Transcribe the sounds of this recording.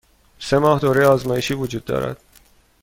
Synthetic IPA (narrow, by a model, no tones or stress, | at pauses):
se̞mɒːhd̪oːɾeɒːzmɒːjeʃiːvod͡ʒuːd̪̚ːɒ̰ːɾæ̰d̪̥